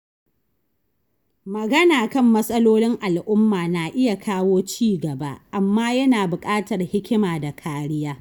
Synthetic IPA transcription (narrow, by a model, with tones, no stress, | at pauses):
mɐ˨ɡɐ˦naː˨kɐ˦mːɐ˦sʼɐ˦loː˦nɪ˦ŋʔa˨lʔʊ˦mːaː˨naː˨ʔɪ˦ja˨kʰaː˦woː˦t͡ʃiː˦˨ɡɐ˨ba̰˦˨ʔa˨mːaː˦jɐ˦naː˨bʊ˨kʼaː˦tɐ˨rhɪ˦kʲɪ˦maː˨da˨kʰaː˦ɾɪ˦jaː˦